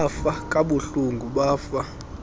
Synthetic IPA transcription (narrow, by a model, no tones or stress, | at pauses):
fakʼaɓuɬuŋɡʱuɓaːfa